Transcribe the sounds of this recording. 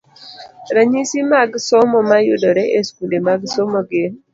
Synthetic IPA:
ɾaɲisimaɡsɔmɔmajʊdɔɾɛʔeskulemaɡsɔmoɡen

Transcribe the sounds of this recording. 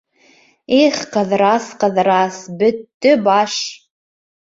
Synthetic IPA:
eχqɤ̆ðɾɑsqɤ̆ðɾɑsbɵt̪ːɵbɑʃ

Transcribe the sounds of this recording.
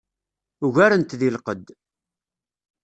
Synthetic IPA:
uʝaɾənt̪ðilqəd̪

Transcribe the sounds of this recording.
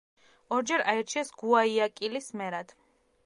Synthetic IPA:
ɔɾd͡ʒɛɾaiɾt͡ʃʰiɛsɡuaiakʼilismɛɾad̪̥

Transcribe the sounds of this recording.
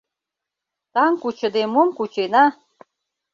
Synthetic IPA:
t̪ɑŋkut͡ɕə̆d̪emomkut͡ɕenɑ

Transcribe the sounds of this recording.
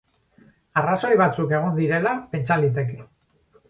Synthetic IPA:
araso̞jβat͡suke̞ɣ̞o̞nd̪iɾe̞lape̞nt͡ʃalit̪̬e̞ke

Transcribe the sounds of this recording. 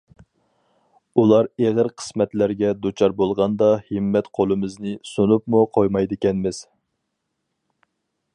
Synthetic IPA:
ulˠɑɾeʁəɾqʰə̥smɛt̪læɾɡʲɛd̪ut͡ʃʰɑɾbolˠʁɑnd̪ɑhɨmːɛt̪qʰolˠɨmɪznɪsunupmuqʰojmɑjd̪ɪkʲɛnmɪz̥

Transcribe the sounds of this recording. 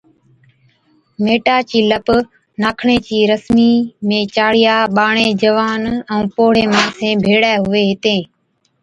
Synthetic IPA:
meːʈaːt͡ʃiːləp | naːkʰɳeːt͡ʃiːɾəsmiːmẽːt͡ʃaːɽɪjaːɓaːɳeːd͡ʒəʋaːnəũːpoːɽeːmãːsẽːbʱeːɽaːɦʊʋeːɦɪt̪ẽː

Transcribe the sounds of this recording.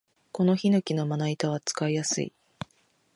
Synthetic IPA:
ko̞no̞çinokʲino̞manait̪aβ̞at͡sɨ̥kaijasɨ̰ḭ

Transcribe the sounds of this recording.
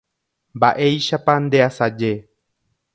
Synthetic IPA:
mbaʔe̞jʃapand̪e̞asad͡ʒe

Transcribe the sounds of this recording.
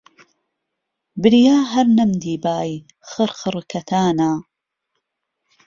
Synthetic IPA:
bɨɾijaːɦɐɾnɐmd̪iːbaːj | xɨɾxɨɾkʰɐt̪ʰaːnaː

